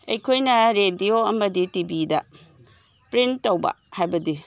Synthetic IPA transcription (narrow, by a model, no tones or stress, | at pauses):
ɐjkʰojnɐɾedioɐmɐditibidɐ | pɾintːɐwba̰hajbɐdi